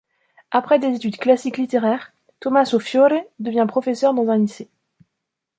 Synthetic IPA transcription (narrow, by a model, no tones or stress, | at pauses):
apχɛd̪ezet̪yd̪klasiklit̪eʁɛʁ | t̪ɔmasofjoɾed̪əvjɛ̃pχɔfɛsœʁd̪ɑ̃zɛ̃lise